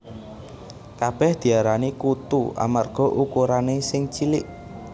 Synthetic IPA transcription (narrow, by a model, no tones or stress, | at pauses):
kab̥ɛhd̪̥i̤aɾanikut̪ṵʔa̰marɡ̥ɔ̤ʔukuɾanesɪŋt͡ʃilɪʔ